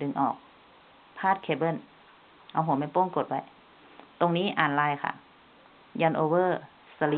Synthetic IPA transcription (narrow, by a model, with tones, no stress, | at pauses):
dɯ˧˩ŋʔɔː˨˩k̚ | pʰaː˥˩t̪̚kʰeː˧˩bɤ˧˥˨n | ʔa˧˩wɦuː˨˩˦mɛ˧˥˨npoː˧˥˨ŋko˨˩t̪̚wa˧˩j | t̪o˧ŋniː˦˥˨ʔaː˨˩nlaː˧˩jkʰa̰˧˩ | jaː˧˨nʔoː˧wɤː˧˥˩ | sa˧li˧